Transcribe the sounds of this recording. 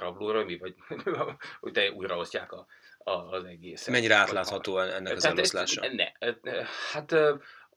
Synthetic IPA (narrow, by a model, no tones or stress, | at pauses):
rɒbloːɾømivɒɟ | hoc̚t̪ɛuːjrɒo̞sca̰ːkɒɒzɛɡeːsmɛɲːiɾɛaːt̪laːt̪hɒt̪oːɛnːɛkɒzaɛlt̪ost̪laːʃɑ̰nɛ̰ | hat̪ø